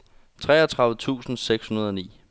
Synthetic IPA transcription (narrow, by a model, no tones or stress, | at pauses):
t͡sʰʁɛ̰ːɐt͡sʰʁɑ̈ð̩ət͡sʰṵːsn̩seɡ̥shunɐð̞ˠɒ̽nḭː